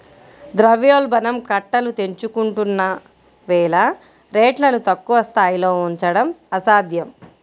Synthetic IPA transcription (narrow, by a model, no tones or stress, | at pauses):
d̪ɾɐʋjoːlbɐnɐmkɐʈːɐlut̪e̞ɲt͡ʃukuɳʈunːɐ | ʋɛːlɐ | ɾeːʈlɐnut̪ɐkːuʋɐst̪aːjilo̞ːuɲt͡ʃɐɽɐmɐsaːd̪ʱjɐm